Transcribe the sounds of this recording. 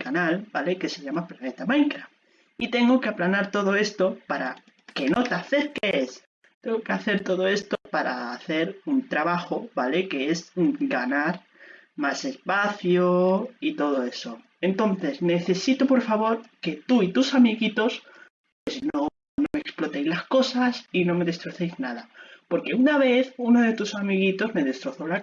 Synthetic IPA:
kanalbaleke̞seʎamaplanet̪amajŋkɾa | it̪e̞ŋɡokeaplanaɾt̪o̞ðoe̞st̪opaɾa | keno̞t̪aθe̞ɾkees | t̪eŋɡokeaθe̞ɾt̪o̞ð̞oe̞st̪opaɾa̰ːθe̞ɾunt̪ɾaβaxoβaleke̞ezɡanaɾ | mase̞spaθjoit̪o̞ð̞o̞e̞so̞ | e̞nt̪o̞nθe̞zne̞θe̞sit̪opo̞ɾfaβo̞ɾke̞t̪uit̪usamiɣit̪o̞s | pwe̞sno | noeksplo̞t̪ejzlasko̞sasinõ̞me̞ðe̞st̪ɾo̞θe̞jznað̞apo̞ɾke̞unaβ̞e̞θunoðe̞t̪usamiɣ̞it̪o̞zme̞ðe̞st̪ɾo̞θola

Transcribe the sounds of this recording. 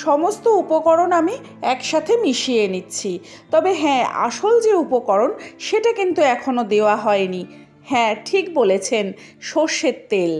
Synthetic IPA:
ʃɔmost̪oupokɔɾonami | ɛkʃat̪ʰemiʃienitːɕʰi | t̪ɔbeɦɛ̃a̰ʃold͡ʑeupokɔɾonʃeʈakint̪uɛkʰonod̪eoaɦɔeni | hɛ̃ʈʰikbolet͡ɕʰen | ʃoʃet̪ːel

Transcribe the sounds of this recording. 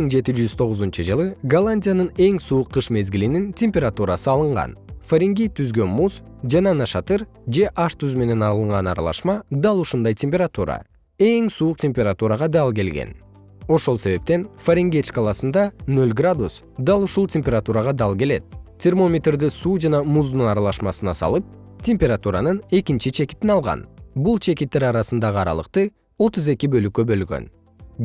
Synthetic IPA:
iŋd͡ʒe̞t̪id͡ʒyz̥t̪ʰo̞ʁʊuzunt͡ʃɯd͡ʒɯlˠɯɡɐlˠanʲdʲijanɯne̞ŋsuːqʰːɯʃme̞zɡʲilinintʲemʲpʲeɾat̪uɾasɯɑlˠɯɴʁɑ̰nfoɾʲɪŋɡʲejt̪ʰyzɡø̞nmusd͡ʒɑnɑnɑʃɑt̪ɯɾ | d͡ʒe̞ʔɑʃt̪yzme̞ne̞nɑlˠɯɴʁɑnɑ̰ɾɑ̰lˠɑ̰ʃmɑd̪ɑlˠuʃund̪ɑjtʲʰempʲeɾat̪uɾɑ̰ | e̞ŋsuːq̚tʲemʲpʲeɾat̪uɾɑʁɑd̪ɑlˠk̬e̞lɡḛn | o̞ʃo̞lˠse̞βe̞p̚t̪e̞nfɐɾʲeŋɡʲet͡ʃkɑlˠɑsɯnd̪ɑnø̞lɡrad̪us | d̪ɑlˠuʃulˠtʲemʲpʲe̞ɾat̪uɾɑʁɑd̪ɑlˠke̞le̞t̪̚tʲʰermo̞mʲet̪rd̪isuːd͡ʒɑnɑmuzd̪unɑɾɑlˠɑʃmɑsɯnɑsɑ̰lˠɯp̚ | tʲʰe̞mʲpʲe̞ɾat̪uɾanɯne̞kint͡ʃit͡ʃʰe̞ki̥t̪inɑlˠʁɑ̰nbulˠt͡ʃʰe̞kit̪ːe̞ɾɑɾɑsɯnd̪ɑʁəɑɾɑ̰lˠə̰qt̪ɯ | o̞t̪uze̞kʲibø̞lykːøbø̞lɡø̰n

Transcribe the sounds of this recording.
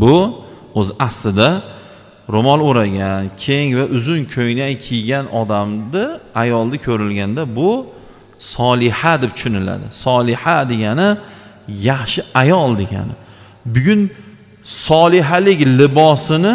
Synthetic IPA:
bʊ | ɵzaslɪd̪a | ɾʊmɒlˠoɾaɡʲankʲʰe̞ŋvaʔʊzʊnkʲʰojnankʲʰijɡʲanʔɒd̪amd̪ɪajɒlˠd̪akʲʰɵɾɪlɡʲand̪abʊ | sɒlˠɪhad̪ɪp̚t̪ʰʊ̥ʃʊnɪla̰d̪ɪ̰sɒlˠɪhad̪e̞ɡʲanɪ | jaχʃɪajɒlˠd̪e̞ɡʲa̰nɪ | bʊɡʲʊn | sɒlˠɪɦalɪkʲlɪbɒsɪnɪ

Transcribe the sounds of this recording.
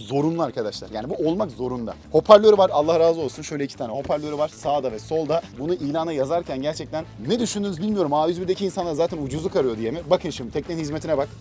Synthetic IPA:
zo̞ɾunlˠuaɾkʰad̪aʃlˠa̰ɾjaːnibuo̞lˠmakzo̞ɾund̪a̰ho̞pʰaɾlʲøɾivaɾalˠːahɾaːzɯo̞lˠsunʃøjlʲɛicʰi̥t̪ʰaːnɛho̞pʰaɾlʲøɾivaɾ̥saːd̪avɛso̞lˠd̪abunuʔiːlʲaːnajazaɾcʰænɟæɾt͡ʃʰɛc̚t̪ʰænːɛd̪yʃynd̪ynyzbilʲmijo̞ɾumaːvyzbiɾd̪ecʰiːnsanˠaɾzaːt̪ʰænud͡ʒuzukʰaɾɯjo̞d̪ijemibakʰɯnʃimt̪ʰɛc̚t̪ʲenhizmet̪ʰinɛbak

